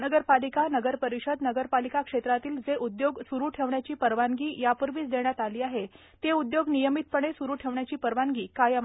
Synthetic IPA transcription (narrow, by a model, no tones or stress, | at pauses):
nəɡəɾpalikanəɡəɾpəɾiɕəd̪nəɡəɾpalikakʂet̪ɾat̪iːld͡zeʔud̪joɡsuɾuːʈʰeʋɳjat͡ɕiːpəɾʋaŋɡiːjapəɾʋiːt͡sd̪eɳjat̪aliːaɦe | t̪eud̪joɡnijəmit̪̚pəɳ̃esuɾuːʈʰeʋɳjat͡ɕiːpəɾʋaŋɡiːkajam